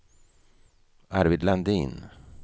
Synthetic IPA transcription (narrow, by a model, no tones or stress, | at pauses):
aɾvɪd̪land̪iːn